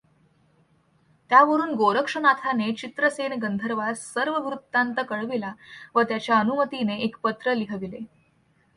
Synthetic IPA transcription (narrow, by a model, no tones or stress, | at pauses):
t̪jaʋəɾuːnɡoɾəkʂənat̪ʰanet͡ɕit̪ɾəsenɡənd̪ʱəɾʋassəɾʋəʋɾut̪ːant̪əkəɭʋilaʋət̪jat͡ɕjaənumət̪ineekpət̪ɾəliɦəʋile